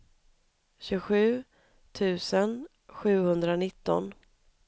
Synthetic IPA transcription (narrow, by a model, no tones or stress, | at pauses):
ɕʉɧʉ̟ː | t̪ʰʉ̟ːsən | ɧʉ̟ːhɵnd̪ɾanɪt̪ːɔ̰n